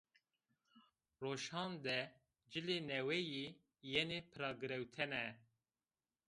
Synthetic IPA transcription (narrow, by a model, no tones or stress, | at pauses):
roːʃhɑːnd̪ɛ | d͡ʒɨleːnɛwɛje | jenepʰɨɾɑːɡɨɾɛwt̪ʰɛnɛ